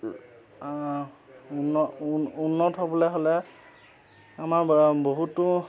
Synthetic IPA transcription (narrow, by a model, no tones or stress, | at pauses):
unɔunːɔtɦɔbɔlɛɦolɛ | amaɹboɦutːʊ